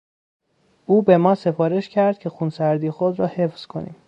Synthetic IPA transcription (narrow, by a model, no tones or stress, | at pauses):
ʔuːbe̞mɒːse̞fɒːɾe̞ʃcʰæɾd̪̥̚cʲʰe̞xunsæɾd̪iːxod̪ɾɒːhe̞fz̥kʰo̞̰nḭːm